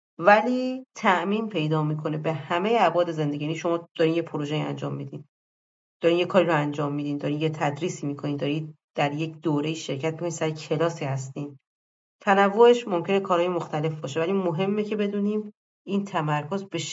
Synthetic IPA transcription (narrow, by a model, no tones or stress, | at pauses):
væliːt̪ʰæʔmiːnpʰe̞jd̪ɒːmiːkʰo̞ne̞be̞hæmejeæbɒːd̪eze̞nd̪e̞ɟijæniʃo̞mɒːd̪̥ɒɾiːnjepʰoɾoʒejiːæ̰nd͡ʒɒːmːid̪iːn | d̪̥ɒːɾiːnjekʰɒːɾiɾoænd͡ʒɒːmːiːd̪iːnd̪ɒɾinjet̪ʰæd̪ɾiːsiːmiːkʰoniːnd̪ɒɾiːd̪̥æɾjecʰd̪̥oːɾeiːʃe̞ɾcʰæt̪̚mikoninsæɾecʰe̞lɒːsihæst̪iːn | t̪ʰænævːoeʃmo̞mcʰe̞ne̞kʰɒːɾhɒːjemoxt̪æle̞fbɒːʃe̞væliːmoɦe̞mːecʰe̞be̞d̪uːniːm | ʔiːnt̪ʰæmæɾkʰozbeʃ